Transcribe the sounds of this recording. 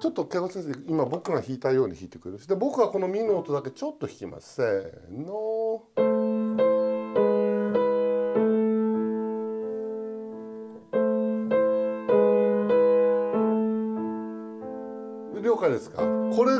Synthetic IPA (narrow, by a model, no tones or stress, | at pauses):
t͡ɕo̞t̪ːo̞ke̞ːkosẽs̬eimabo̞kɯ̟ɡaçiːt̪aijo̞ːɲ̟içiːt̪e̞kɯ̟ɾeɾɯɕid̪ebo̞kɯ̟ɡako̞no̞mʲinoːt̪o̞d̪ake̞t͡ɕo̞t̪ːoçʲi̥kʲima̰sɨ̥eno | ɾʲo̞ːkaid̪esɨ̥ka̰ko̞ɾe